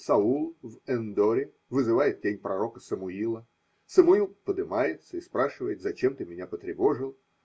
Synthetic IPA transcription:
sɐulˠvɛnd̪oɾʲɪ | vɨzɨvajɪt̪̚dʲenʲpɾɐɾo̞kəsəmʊilˠə | səmʊilˠpəd̪ɨmajɪt̪səɪspɾaʂɨvəjɪt̪zɐt͡ɕe̞mt̪ɨmʲɪnʲapət̪ɾʲɪvo̞ʐɨlˠ

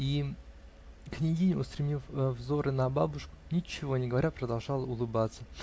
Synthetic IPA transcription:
i | knʲɪdʲinʲʊʊst̪ɾʲɪmʲifvzo̞ɾʔɨnɐbabʊʂkʊ̥nʲɪt͡ɕːɪvo̞nʲɪɡəvɐɾʲapɾəd̪alˠʐɑlˠəʊlˠɨbat̪sːə

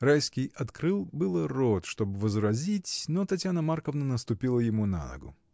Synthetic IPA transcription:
rajskʲɪjɐt̪kɾɨlˠbɨlˠərot̪ʂt̪o̞bɨvəzɾɐzʲitʲnot̪ɐtʲjanəmarkəvnənəst̪ʊpʲilˠəjɪmuna̰nə̰ɡʊ̰

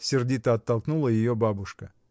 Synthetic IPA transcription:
sʲɪrdʲit̪əɐt̪ːɐlˠknulˠəjɪjo̞babʊʂkə

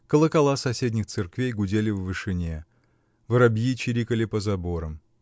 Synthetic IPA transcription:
kəlˠəkɐlˠasɐsʲedʲnʲɪxt̪sɨrkvʲejɡʊdʲelʲɪvvɨʂɨnʲe | vɾɐbʲjit͡ɕɪɾʲikəlʲɪpəzɐboɾəm

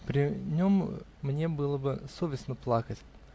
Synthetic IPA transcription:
pɾʲɪnʲo̞mmnʲe̞bɨlˠəbɨsovʲɪsnəplˠakətʲ

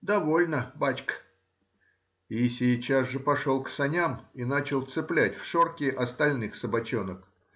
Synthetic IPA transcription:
d̪ɐvo̞lʲnəbat͡ɕkə̥ | isʲɪt͡ɕazʐɨpɐʂo̞lˠksɐnʲaminat͡ɕɪlˠt̪sɨplʲætʲfʂorkʲɪʔɐst̪ɐlʲnɨxsəbɐt͡ɕonək

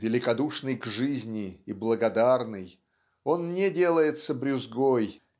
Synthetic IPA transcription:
vʲɪlʲɪkɐd̪uʂnɨjɡʐɨzʲnʲɪiblˠəɡɐd̪arnɨj | o̞nnʲedʲe̞lˠəjɪt̪səbɾʲʊzɡoj

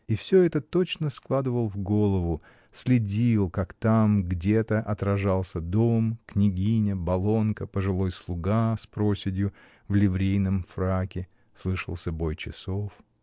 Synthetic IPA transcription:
ifsʲɵɛt̪ət̪o̞t͡ɕnəsklˠad̪ɨvəlˠvɡo̞lˠəvʊ | sʲlʲɪdʲilˠkakt̪amɡdʲet̪əʔɐt̪ɾɐʐalˠsʲəd̪o̞mknʲɪɡʲinʲəbɐlˠo̞nkəpəʐɨlˠo̞jslˠʊɡaspɾo̞sʲɪdʲjʊ | vlʲɪvɾʲejnəmfɾakʲɪ | slˠɨʂə̰lˠsʲəbo̞jt͡ɕɪsof

